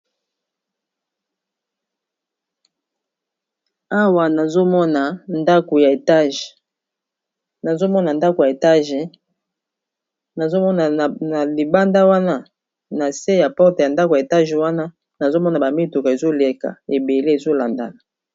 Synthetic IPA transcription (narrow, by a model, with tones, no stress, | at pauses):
a˦wa˨na˨zo˦mɔ˦na˨nda˦ko˨ja˨e˨ta˦ʒ | na˨zo˦mɔ˦na˨nda˦ko˨ja˨e˨ta˦ʒe˨ | na˨zo˦mɔ˦na˨na˨li˨ba˦nda˦wa˦na˦ | na˨se˦ja˨pɔ˦te˨ja˨nda˦ko˨je˨ta˦ʒe˨wa˦na˦ | na˨zo˦mɔ˦na˨ba˨mi˦to˨ka˨e˨zo˦le˨ka̰˨e˨be˨le˦e˨zo˦la˨nda̰˨la˨